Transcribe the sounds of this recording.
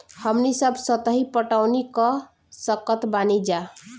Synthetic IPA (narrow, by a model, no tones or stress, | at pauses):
həmnisəbʱsət̪əɦipəʈaʊnikə | səkət̪banid͡ʒa